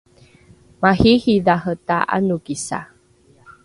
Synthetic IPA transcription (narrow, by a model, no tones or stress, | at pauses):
mahihidaɦətaʔa̰nuɡisa̰